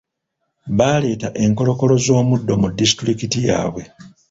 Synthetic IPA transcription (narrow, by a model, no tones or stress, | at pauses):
βaːle̞ːtaʔe̞ŋko̞lo̞ko̞lo̞zo̞ːmudːo̞mudːisi̥tɾikitija̰ːβwe̞